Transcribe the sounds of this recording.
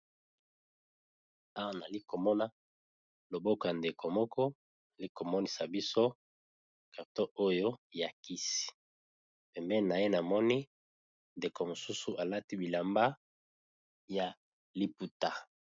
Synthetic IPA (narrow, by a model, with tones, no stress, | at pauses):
a˦wa˦na˨li˦ko˨mɔ˦na˦ | lo˨bo˦ko˨a˨nde˨kʰo˨mɔ˦kʰɔ˦ | na˨li˦ko˨mɔ˦ni˨sa˨bi˦so˦ | ka˨to˦o˦jo˦ja˨ki˦si̥˨ | pɛ˨mbɛ˦˨na˨je˦na˨mɔ˦ni˦ | nde˨ko˨mo˨su˦su˨˦ʔa˨la˦ti˦bi˨la˨mba˦ | ja˨ | li˨pu˨ta˨